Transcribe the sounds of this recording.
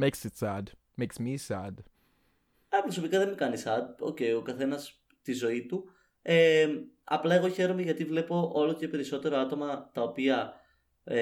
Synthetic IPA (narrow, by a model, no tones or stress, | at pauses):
meksɪtsæd | meɪksmisæd | ɐpɾo̞so̞pikɐðemekɐnisɐd̪̚o̞̰ce̞jo̞kɐθe̞nɐs | t̪izo̞it̪u | eɐ̰plɐe̞ɣo̞çe̞ɾo̞meʝɐt̪ivle̞po̞ʔo̞lo̞ce̞pe̞ɾiso̞t̪e̞ɾoɐt̪o̞mɐt̪ɐo̞piɐ